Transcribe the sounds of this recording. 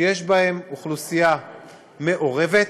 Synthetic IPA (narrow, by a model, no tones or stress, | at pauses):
jeʃbahe̞muχlusija | me̞ʔo̞ʁe̞ve̞t